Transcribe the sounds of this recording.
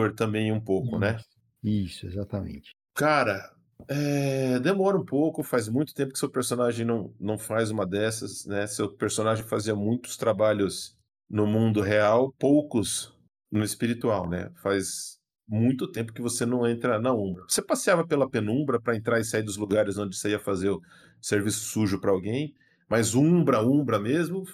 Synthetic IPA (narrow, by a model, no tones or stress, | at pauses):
oɾt̪ɐ̃mbẽj̃ũpowkʊnɛ | isʊezat̪ɐmḛ̃t͡ʃɪ̥ | kaɾɐ | ɛd̪emɔɾɐũpowkʊfajzmũj̃t̪ʊ̥t̪ẽpʊkɪ̥sewpeɾsonaʒẽj̃nɐ̃w̃nɐ̃w̃fajzũmɐd̪ɛsɐ̰snɛsewpeɾsõnaʒẽj̃faziɐmũj̃t̪ʊ̥st̪ɾabaʎʊs | nʊmũnd̪ʊɦeawpowkʊs | nʊɪspiɾit̪uawnɛ̰fajz | mũj̃t̪ʊt̪ẽpʊ̥kɪvosenɐ̃w̃ẽnt̪ɾɐnɐũbɾɐvosepasiavɐpelɐpẽnũbɾɐpɾɐẽnt̪ɾaɾɪsaid̪ʊzluɡaɾɪzõñd͡ʒɪsaiɐfazeɾʊ | seɾvisʊ̥suʒʊpɾɐawɡẽj̃ | mazũbɾɐũbɾɐmezmʊ